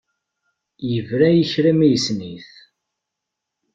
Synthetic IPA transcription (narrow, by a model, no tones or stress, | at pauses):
jəvɾæjəçɾæmijəsniθ